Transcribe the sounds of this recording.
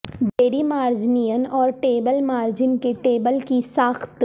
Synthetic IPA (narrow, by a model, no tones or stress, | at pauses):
ɖeːɾimaːɾd͡ʒniːjənɔːɾʈeːbəlmaːɾd͡ʒɪnkeʈeːbəlkisaːxt̪